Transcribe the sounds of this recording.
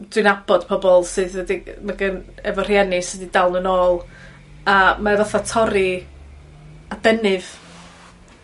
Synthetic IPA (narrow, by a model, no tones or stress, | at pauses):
d̥wɪnabɔd̥pʰɔbɔlˠsɨðwɛdimaɡənɛvɔr̥jɛnɪsɨdidalˠnənoːlˠ | amavɔθatʰɔɾi | ad̥ɛnɨv